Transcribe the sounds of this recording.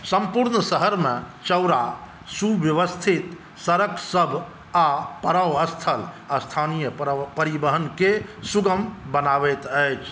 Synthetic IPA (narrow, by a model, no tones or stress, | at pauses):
səmpuɾnəsəɦəɾmẽ | t͡ʃəwɾa | subjəʋəst̪ʰit̪ | səɾəksəbʱ | apəɾəwəst̪ʰəl | ast̪ʰanijəpəɾibəɦənkesuɡəmbənaʋɛt̪əjt͡ʃʰ